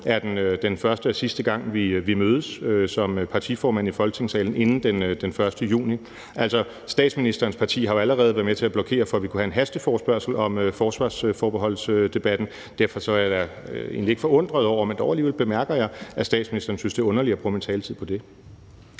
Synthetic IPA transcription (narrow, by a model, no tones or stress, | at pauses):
æɐd̥enød̥enfɶɐsd̥əsisd̥əɡ̥ɑ̈ŋ̰ʋiʋimøːð̞ˠəsøsɒ̽mpʰɑ̈t͡sʰifɒːmæn̰ifɒ̽lɡ̥ət͡sʰe̝ŋsɛːln̩e̝nn̩d̥end̥enfɶɐsd̥əjṵːni | ʔæl̰sɒ̽ | sd̥ɛ̰ːd̥sminisd̥ɐːn̩spʰɑ̈t͡sʰḭːɦɑo̝æləʁɛːð̞̩ˠʋæɐmet͡sʰe̝æb̥lɒ̽kʰe̝̰ːɐfɒʋikʰuhæe̝nɦæsd̥əfɒːsb̥ɶɐ̰sl̩ɒ̽møfɒːsʋɑ̰̈ːsøfɒːb̥eɦɒ̽l̰sød̥e̝b̥æd̥n̩ | d̥æɐfɒ̽sɒ̽æd̥ɑe̝̰nlie̝ɡ̥fɒ̽ɔ̽n̰d̥ʁɐð̞ˠɒʊ̰ɐmend̥ɒʊæliːʋḛlb̥e̝mæɐɡ̥ɐjɑ̈ɪæsd̥ɛ̰ːd̥sminisd̥ɐːnsynsd̥e̝ɔ̽nɐliɐæb̥ʁṵment͡sʰɛːlət͡sʰið̰ˠpʰɒ̽d̥e̝